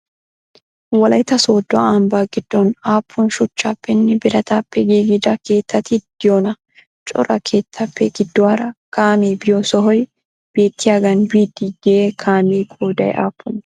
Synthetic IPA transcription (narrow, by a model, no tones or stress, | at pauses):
wɐlɐjɪt̪ɐsoːd̪ːɔɐmbaːɡɪd̪̥ːonaːpʰːʊnʃʊt͡ʃːaːpːɛnːɪbɪɾɐt̪apːɛɡeːɡɪd̪ake̞ːt̪ːɐt̪id̪̥ɪjoːnɐ | t͡ʃʼʊ̰ɾʔɐkʰe̞ːt̪ːɐpʰːɛɡɪd̪ːʊɐɾɐkaːmeːbɪjoːsɔɦɔj | b̥eːt̪ːiɐɡɐnbiːd̪iɡɛekʰaːmiːkʰʼoːd̪ɐj̰ʔa̰ːpːʊn